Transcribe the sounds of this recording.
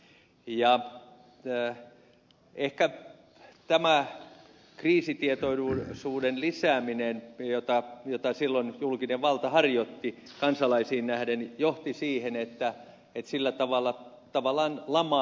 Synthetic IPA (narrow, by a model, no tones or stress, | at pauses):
jɑ | ehkæ | t̪æmæ | kriːsit̪iet̪oisuːdenlisæːminenjot̪ɑjot̪ɑsilːonjulkineʋʋɑlt̪ɑhɑrjot̪ːi | kɑnsɑlɑisiːnnæhdenjoht̪isiːhenet̪ːæ | et̪silːæt̪ɑʋɑlːˑɑ | t̪ɑʋɑlːˑɑːnlɑmɑ